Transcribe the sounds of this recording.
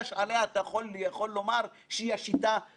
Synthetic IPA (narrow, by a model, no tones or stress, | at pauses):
ʃaleat̪ajaχo̞ljaχo̞lːo̞maʁ | ʃeiaʃit̪a